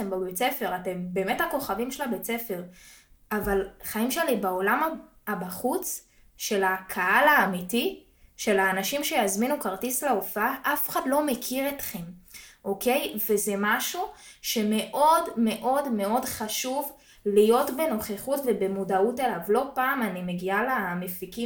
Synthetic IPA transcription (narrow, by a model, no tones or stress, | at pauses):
embabet͡sefe̞ʁate̞mbe̞ːmethako̞χavimʃelabet͡se̞fe̞ʁʔavalχaimʃelibao̞lamaabaχut͡s | ʃe̞lakʰaalaːmiti | ʃe̞laːnaʃimʃe̞jazminukaʁtislaofaʔafeχadlo̞mekʰiʁetχe̞mʔo̞kejve̞zemaʃuʃe̞me̞ʔo̞dme̞ʔo̞dme̞o̞dχaʃuv | lijo̞tbe̞no̞χeχutve̞be̞mudautelavlo̞paːmanime̞ɡialamefiki